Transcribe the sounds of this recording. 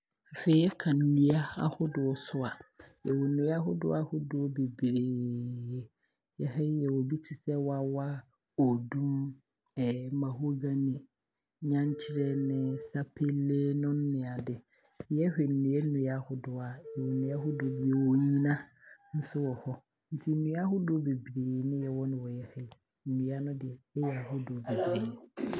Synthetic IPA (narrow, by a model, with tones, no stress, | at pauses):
ffe˨i˦jɛ˦kʰã˨n̩˨nũ˦a˦a̰˦hʊ˦dʊ˨ɔ˨sʊ˦a˨jɛ˨wɔ˨nũ˨˦a˦ɦʊ˦dʊ̰˦a˦hʊ˦dʊ˨ɔ˦be˨bi˨ɾeː˨ | jɛ˨hɛ˦i˦jɛ˨wɔ˨bi˦tʰɪ˨sɛ˦wa˦wa˦ | o˨dũ˦m | ɛ˨mã˨ɦʊ˦ɡã˦nĩ˨ | ɲã˦ɲ˦t͡ɕʰɪ˦ɾɛ˦nɪ̃˦sa˦pʰe˦lːeː˦nʊ̃˦nː˦ɪ̃˨a˨dɪ˨˦ | ɛ˦hᶣɛ˨n̩˨nũ˨ɛ˦nũ˨˦a˦hʊ˦dʊ˨a˨jɛ˨wɔ˨nũ˨˦a˦ɦʊ˦dʊ˨˦bi˦e˨wɔ˦ɲĩ˦nã˦ | n̩˦sʊ˦wɔ˨hɔ˦ | n̩˦tʰi˦n̩˦nũ˨˦a˦ɦʊ˦dʊ˦be˨bɾeː˨˦nɪ̃˦jɛ˨wɔ˦nʊ̃˦wɔ˨jɛ˦hɛ˦i˦˨ | n̩˨nũ˨˦a˦nʊ̃˦dɪ˨ɛ˨ɛ˦jɛ˨a˨ɦʊ˦dʊ˨be˨bi˨ɾeː˨˦